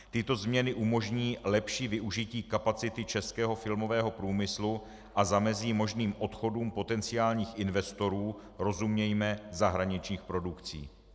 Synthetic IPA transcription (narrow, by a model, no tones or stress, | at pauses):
t̪ɪt̪o̞zmɲɛnɪʔumo̞ʒɲiːlɛpʃiːvɪʔuʒɪciːkapat͡sɪt̪ɪt͡ʃɛskɛːɦo̞fɪlmo̞vɛːɦo̞pɾuːmɪslu | ʔazamɛziːmo̞ʒniːmʔo̞t̪xo̞duːmpo̞t̪ɛnt͡sɪaːlɲiːxʔɪnvɛst̪o̞ɾuː | ɾo̞zumɲɛjmɛzaɦɾaɲɪt͡ʃɲiːxpɾo̞dukt͡sḭː